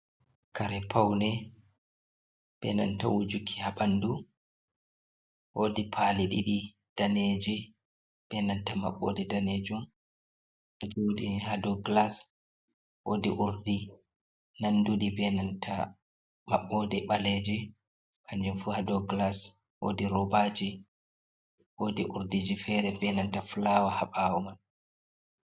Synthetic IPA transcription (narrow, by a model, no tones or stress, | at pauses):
kʰaɾɛpʰawnɛ | b̥ɛ̰na̰ntawud͡ʒukʰːihaɓandu | wodipʰaliɗiɗi | d̥aned͡ʒi | b̥ɛnantama̰ɓːɔ̰dɛdaned͡ʒum | ʔɛd͡ʒoɗihadɔɡlas | wodiʔuɾdi | nanduɗibɛnantʰa | maɓːɔdɛɓaled͡ʒi | kʰaɲd͡ʒumfuhadɔɡlas | wo̰diɾɔbad͡ʒi | wodiʔuɾdid͡ʒifɛɾɛbɛnantaflawahaɓawɔman